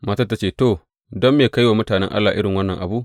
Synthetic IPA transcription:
maː˨tɐ˦˨tːa˦t͡ʃeː˦˨to˨ | dɔ˦mːeː˨ka˦jwaː˨mʊ˦taː˨nɛ̰˦ŋʔa̰˦lːaː˨ʔɪ˦ɽɪ˨ŋwɐ˦nːɐ˨ŋʔa̰˨buː˦ʔ

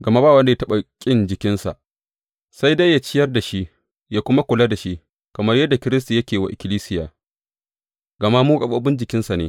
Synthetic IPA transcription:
ɡɐ˨ma˦baː˦˨wɐ˦nda˨ja˦tɐ˦ɓa˨kʲʼɪ˦nd͡ʒɪ˨kʲɪ˦nsa̰˨ʔ | sa˦jda˦ja˦t͡ʃɪ˦jɐ˦rda˨ʃi˦ʔ | jaː˦kʷʊ˦ma˦kʷʊ˨la˦da˨ʃi˦ʔ | kɐ˨mɐ˦rjɐ˦dːa˨kʲɪ˦ɾɪ˦s̬ti˨jɐ˦kʲeː˨wa̰˨ʔɪ˨kʲɪ˦liː˦sɪ˦jaː˨ | ɡɐ˨ma˦muː˦kʼɐ˨ɓɐ˦bɪ˦nd͡ʒɪ˨kʲɪ˦nsa˨neː˨˦

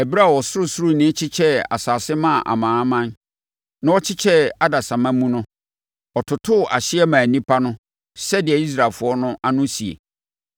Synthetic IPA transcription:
ɛ˨bi˦ɾa˦˨wɔ˨sʊ˦ɾʊ˨sʊ˦ɾu˦˨nɪ̃˦t͡ɕʰɪ˦t͡ɕʰɛ˦a̰˨saː˨sɪ˦mã˦˨ʔa̰˨mãː˨˦mã˦n | nã˦wɔ˦t͡ɕʰɪ˦t͡ɕʰɛ˦a˦da˨sã˨mã˦mũ˦nʊ̃˦ | ɔ˨tʰʊ˨tʰʊ˦˨ʔa˨ɕɪ˦ɛ˦mã˨nĩ˦pʰa˦nʊ̃˦ | sɛ˦dɪ˨ɛ˨i˦s̬ɾa˨fʊ˨ɔ˦nʊ̃˦ʔa˦nʊ̃˦si˨ḛ˨

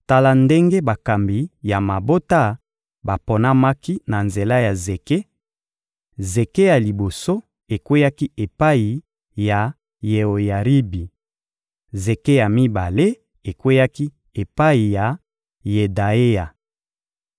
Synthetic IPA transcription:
ta˦la˨nde˦ŋɡe˦ba˨ka˨mbi˨ja˨ma˨bo˦ta˦ | ba˨po˨na˦ma˦ki˦na˨nze˨la˦ja˨ze˨ke˦ | ze˨ke˦ja˨li˨bo˨so˦ | e˨kwe˦ja˦ki˦e˨pa˦i˨ | ja˨ | je˨o˨ja˨ʁi˦bi˨ | ze˨ke˦ja˨mi˦ba˨le˦ | e˨kwe˦ja˦ki˦ | e˨pa˦i˨ja˨ | je˨da˨e˦ja˨

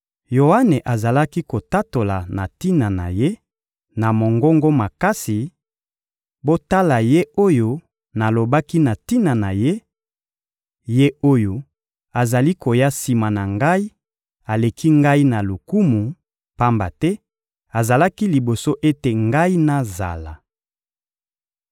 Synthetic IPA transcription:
jo˨a˦ne˨ʔa˨za˨la˦ki˦ko˨ta˦to˨la˨na̰˨ti˦na˨na̰˨je˦ | na˨mo˨ŋɡo˦ŋɡo˦ma˨ka˦si˨ | bo˦ta˦la˨je˦o˦jo˦ | na˨lo˨ba˦ki˦na˨ti˦na˨na˨je˦ | je˦o˦jo˨ | a˨za˨li˦ko˨ja˦si˨ma˨na˨ŋɡa˦i˦ | a˨le˨ki˦ŋɡa˦i˦na˨lu˨ku˦mu˨ | pa˦mba˨tɛ˦ | a˨za˨la˦ki˦li˨bo˨so˦ʔe˦te˨ŋɡa˦i˦na˨za̰˨la̰˨

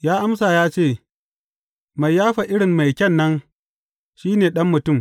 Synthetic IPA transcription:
jaː˦ʔa˦msaː˨jaː˦t͡ʃeː˦˨ | ma˨jːaː˦ɸa˨ʔɪ˦ɽɪ˨mːa˨jkʲɛ˦˨nːɐ˦n | ʃiː˦neː˨ɗɐ˦mːʊ˨tʊ˦˨m

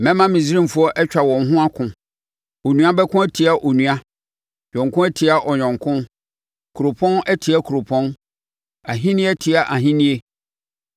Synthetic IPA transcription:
mɛ̃˦mã˦mĩ˨zi˦ɾĩ˦m˨fu˦ɔ˦ʔɛ˦t͡ɕᶣa˨wɔ̃˨n̩˦ɦʊ̃˦a˦kʰʊ̃˨ | o˨nũ˨ã˦bɛ˦kʰʊ̃˦ɛ˦tʰi˨a˨ʔo˨nũ˨a˦ | ɲᶣɔ̃˨ŋkʊ̃˦ɛ˦tʰi˨a˦ʔɔ˨ɲᶣɔ̃˨ŋkʰʊ̃˦n | kʰu˨ɾo˨pʰɔ̃˦nɛ˦tʰi˨a˦kʰu˨ɾo˨pʰɔ̃˦n | a˨ɦĩ˦nĩ˦ɛ˦tʰi˨a˨ʔa˨ɦĩ˦nĩ˦e˦

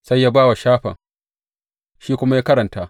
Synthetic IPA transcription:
sa˦jːaː˦baː˦wa˨ʃaː˦ɸɐ̰˨ŋ | ʃiː˦kʷʊ˦ma˦jaː˦kɐ˦ɾɐ˨ntaː˨

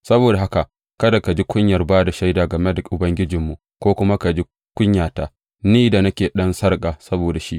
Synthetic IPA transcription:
sɐ˦boː˨da˨ɦa˦ka˨ | kɐ˦da˨ka˨d͡ʒi˦kʷʊ˦ɲjɐ˨rbaː˦da˨ʃa˦jdaː˨ɡɐ˨me˦da˨ʔʊ˨bɐ˦ŋɡʲɪ˦d͡ʒɪ˨mːu˨ʔ | kʷoː˦kʷʊ˦ma˦ka˨d͡ʒi˦ | kʷʊ˦ɲjaː˨taː˨ | niː˦da˨nɐ˦kʲeː˨ɗɐ˦nsɐ˦rkʼaː˨sɐ˦boː˨da˨ʃi˦ʔ

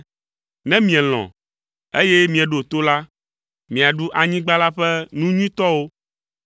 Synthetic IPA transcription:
nɛ̃˦mĩ˨ɛ˨l̃ɔ̰̃˨ | e˦jɛ˦mĩ˨ɛ˨ɖo˨t̪o˦la˦ | mĩ˨a˨ɖu˦ʔa˨ɲĩ˦ɡ͡ba˦la˦ɸɛ˦nũ˦ɲĩ˦t̪ɔ˦wo˦

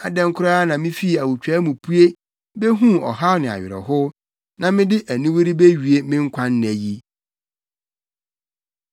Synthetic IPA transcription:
a̰˨dɛ̃˦ŋ˦kʰʊ˦ɾa˦nã˨mɪ̃˦fi˦˨æ˨wu˨t͡ɕᶣɛ˦mũ˨pʰu˦e˦ | be˦ɦũ˦ɔ̰˨ɦa˦wnɪ̃˨a̰˨ɥɪ̰˨ɾɛ̰˨ɦʊ˦ | nã˨mɪ̃˦dɪ˦ʔæ˨nĩ˦wi˦ɾi˦be˦ɥi˨e˦mɪ̃˦ŋ̩˦kʷʰã˦nː˦˨æ˨ji˦

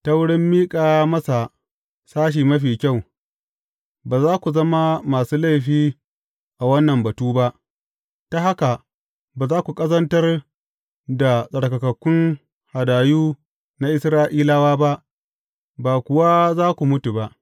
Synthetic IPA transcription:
ta˦wʊ˦ɽɪ˦mːiː˦kʼaː˨mɐ˦sa˨ | saː˦ʃ̬iː˨mɐ˦ɸiː˨kʲa˦˨w | baː˨zaː˦kʷu˨zɐ˦ma˦maː˨suː˦la˦˨jɸiː˦ | ʔa˨wɐ˦nːɐ˨mbɐ˨tuː˦ba˦ʔ | ta˦ɦa˦ka˨ | baː˨zaː˦kʷu˨kʼɐ˦zɐ˦ntɐ˦r | da˨sʼɐ˨ɽkɐ˨kɐ˨kʷʊ˦n | ha˨daː˨juː˦ | na˦ʔɪ˦sɾaː˦ʔiː˦la˦waː˦ba˦ʔ | baː˨kʷʊ˨wa˦zaː˦kʷu˨mʊ˦tu˨ba˦ʔ

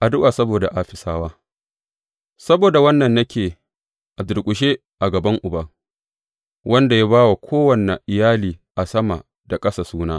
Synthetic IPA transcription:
ʔa˨dʊ˦ʔaː˨sɐ˦boː˨da˨ʔa˦ɸɪ˨saː˦waː˦ | sɐ˦boː˨da˨wɐ˦nːɐ˨nːɐ˦kʲeː˨ | ʔa˨dʊ˨ɽkʷʼʊ˨ʃ̬eː˦ | ʔa˨ɡɐ˨bɐ˦ŋʔʊ˨bɐ˦ | wʔɐ˦nda˨ja˦baː˦wa˨kʷʰoː˦wɐ˨ne˨ʔɪ˨jaː˦liː˨ʔa˨sɐ˦ma̰˨ | da˨kʼɐ˦sa˨suː˦naː˦

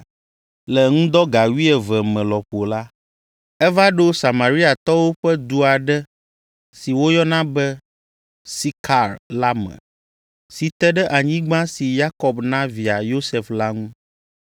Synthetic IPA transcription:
lɛ˨ŋũ˦d̪ɔ˦ɡa˨wi˦ɛ˨vɛ˨mɛ̃˨lɔ˨ɸo˨la˦ | ɛ˦va˦ɖo˦sa˨mã˨ɾi˦a˨t̪ɔ˦wo˦ɸɛ˦d̪u˦a˨ɖɛ˦ | si˨wo˦jɔ˦nã˦bɛ˦ | si˦kʰa˨ɾla˦mɛ̰̃˨ | si˨t̪ɛ˦ɖɛ˦ʔa˨ɲĩ˦ɡ͡bã˦si˨ja˦kɔ˨bnã˦vi˨a˨jo˦sɛ˨fla˦ŋũ˦

